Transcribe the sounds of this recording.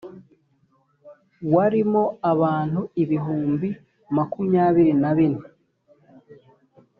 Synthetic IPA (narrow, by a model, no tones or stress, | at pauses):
waɾimo̞aβaːn̥huiβiɦuːmbi | makumɲaːβiɾinaβine